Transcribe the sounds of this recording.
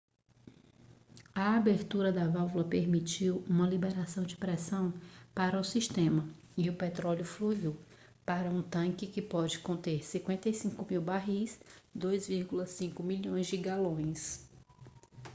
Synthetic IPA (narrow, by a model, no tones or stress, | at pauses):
ɐabeɾt̪uɾɐd̪ɐvawvulɐpeɾmit͡ʃiwũmɐlibeɾasɐ̃w̃d͡ʒɪpɾɛsɐ̃w̃paɾɐʊsiʃt̪ẽmɐ | ɪʊpɛt̪ɾɔljʊfluiw | paɾɐũt̪ɐ̃kɪkɪpɔd͡ʒɪkõnt̪eɾsĩkwẽnt̪ɐjsĩkʊmiwbaɦisd̪ojzviɾɡulɐsĩkʊmiʎõj̃zd͡ʒɪɡalõj̃s